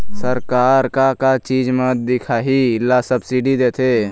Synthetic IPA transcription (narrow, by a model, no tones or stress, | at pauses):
səɾkaːɾkakat͡ʃiːd͡ʒmẽd̪ɪkʰaːɦilasəbsiɖid̪eːt̪ʰe